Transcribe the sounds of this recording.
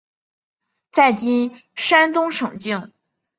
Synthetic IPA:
t͡sa˥˩ɪt͡ɕi˥nʂa˥nt̪ʊ˥ŋʂɤ˨˩ŋt͡ɕi˥˩ŋ

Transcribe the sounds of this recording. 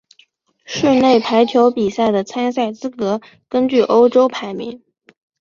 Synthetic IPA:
ʂə˥˧nne˥˩ɪpʰa˧˥ɪt͡ɕ̪ʰjo˧˥ʊpi˨˩sa˥˩ɪd̪ə˩t͡sʰa˥ns̬a˥˩ɪt͡sɹ̩˥kɤ˧˥ | kə˥nt͡ɕy˥˩ʔo˥ʊʈ͡ʂo˥ʊpʰa˧˥ɪmḭ˧˥ŋ

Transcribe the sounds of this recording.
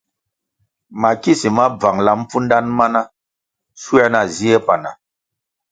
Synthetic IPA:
ma˨ki˦si˨ma˦b͡va˨ŋla˦m˦fu˦nda˦nma˦na˦ | su˦a˦na˨zi˦e˦pa˨na̰˨

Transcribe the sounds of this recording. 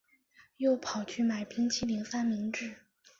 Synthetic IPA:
jo˥˩ʊpʰɑ˨˩ʊt͡ɕʰy˥˩ma˨˩ɪpi˥ŋt͡ɕʰi˥li˧˥ŋfa˥nmi˧˥ŋʈ͡ʂɻ̩˥˩

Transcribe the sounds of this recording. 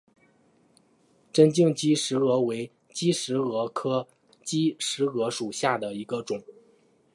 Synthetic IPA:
ʈ͡ʂə˥nt͡ɕi˥˩ŋt͡ɕi˥ʂɻ̩˧˥ɤ˧˥we˧˥ɪ | t͡ɕi˥ʂɻ̩˧˥ɤ˧˥kʰɤ˥ | t͡ɕi˥ʂɻ̩˧˥ɤ˧˥ʂu˨˩ɕja˥˩d̪ə˩i˧˥ɡə˧ʈ͡ʂʊ˨˩˦ŋ

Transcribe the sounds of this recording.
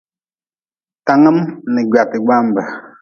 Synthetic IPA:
ta˨ŋa˦m˦nɛ˨ɡa˨ti˨ɡ͡ba˦m˨ba˨

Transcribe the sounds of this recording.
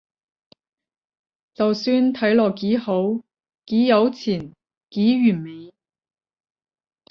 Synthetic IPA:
t͡sɐ˨wsyː˧nt̪ʰɐ˨˥jlɔː˨kiː˨˥ho˨˥w | kiː˨˥jɐ˨˥wt͡sʰiː˨˩n | kiː˨˥ɥyː˨˩nme˨˧j

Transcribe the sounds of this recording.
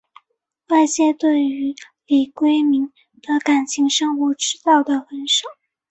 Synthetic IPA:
wa˥˧ɪt͡ɕjɛ˥˧t̪we˥˩ɪy˧˥ | li˨˩kwe˥ɪmi˧˥ŋ | d̪ə˧ka˨˩nt͡ɕʰi˧˥ŋʂɤ˥ŋxu˧˥ʈ͡ʂɻ̩˥t̪ɑ˥˩ʊd̪ə˩xə˧˥nʂɑ˨˩˦

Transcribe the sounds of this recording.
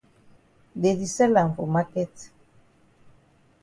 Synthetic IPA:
de˨di˨sɛ˦la˨ɱfo˨ma˦kɛ˦t̪

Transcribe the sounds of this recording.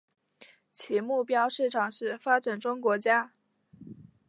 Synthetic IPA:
t͡ɕʰi˧˥mu˥˩pjɑ˥ʊʂɻ̩˥˩ʈ͡ʂʰɑ˨˩ŋʂɻ̩˥˩fa˥ʈ͡ʂə˨˩nʈ͡ʂʊ˥ŋkwɔ˧˥t͡ɕja˥

